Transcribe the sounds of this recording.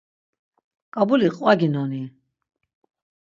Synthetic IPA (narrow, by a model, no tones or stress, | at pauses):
kʼabuliqʼwaɡinɔni